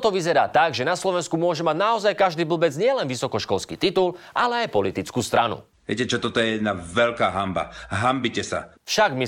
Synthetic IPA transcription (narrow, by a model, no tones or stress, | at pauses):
t̪ɔʋizɛɾa̰ːt̪aɡʒɛnaslɔʋɛnskumʊɔʒɛmaɟnaɔzajkaʒd̪iːbl̩bɛd͡zɲɪɛlɛnʋisɔkɔʃkɔlskḭːt̪it̪ulʔalɛajpɔlit̪it͡skuːst̪ɾanṵ | ɪɛcɛt͡ʃɔt̪ɔt̪ɔjɛjɛd̪navɛʎkaːɦamba̰ɦambicɛsa̰fʃaɡmi